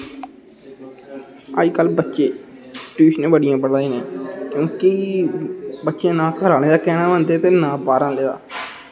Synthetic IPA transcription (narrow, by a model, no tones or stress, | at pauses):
a̰ːd͡ʒkəːlbətːʃeːʈuːʃnẽːbəɽɪjãːbəɽaːĩːneːkjõːki | bətːʃeãːnãːkʰəɾaːneːd̪aːkɛːnãːʋə̃nd̪eːp̪eːnãːbaːɾãːleːd̪a̰ː